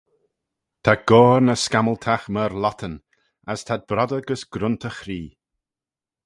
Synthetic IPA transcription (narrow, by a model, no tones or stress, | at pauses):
t̪ʰaɡ̥oːɾnəskaməlt̪ʰaxməɾlɔt̪ʰən | ast̪ʰad̪̚bɾɔdəɡəsɡ̥ɾʊnt̪ʰəxɾiː